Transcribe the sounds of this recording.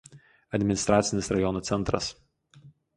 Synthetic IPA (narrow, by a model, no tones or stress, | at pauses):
ɐd̪ʲmʲɪnʲɪst̪ɾaːt̪sʲɪnʲɪsɾɐjɔnot̪sʲɛnt̪ɾɐ̰s